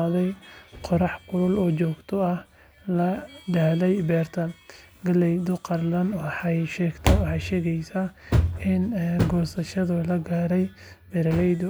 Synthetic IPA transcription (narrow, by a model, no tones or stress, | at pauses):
ðɛjqɔɾɑħkʰʊlʊlɔːt͡ʃɔːɡt̪ʰɔɐh | lɐɖ̪ɐhlɛjbɛːrt̪ʰɐ | ɡɐlɛjd̪ʊqɑrlɐnwɑħɑjʃɛːɡt̪ʰɐwɑħɑjʃɛːɣɛjsaɪnɡɔsɐʃɐðʊlɐɡaːɾɛj | bɛɾɐlɛjd̪ʊ